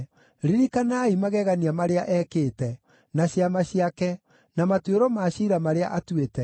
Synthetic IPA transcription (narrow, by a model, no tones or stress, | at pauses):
ɾiɾikanaimaɣɛɣaniamaɾeaʔɛkeːtɛ | naɕiamaɕiakɛ | namateɾɔmaʃiɾamaɾeaʔatwetɛ